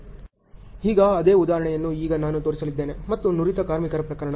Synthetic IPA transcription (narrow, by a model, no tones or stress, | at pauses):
hiːɡɐːd̪eːud̪aːɦɾɐɳɛjɐnːuiːɡɐnaːnut̪oːɾisɐlid̪ːe̞ːne̞mɐt̪ːunuɾit̪ɐkaːɾmikɐɾɐpɾɐkɐɾɐɳɐ